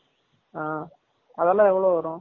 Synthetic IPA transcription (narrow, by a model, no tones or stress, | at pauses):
aː | ɐðɐlãːɛʋːɐɭoːʋɐɾʊ̃ː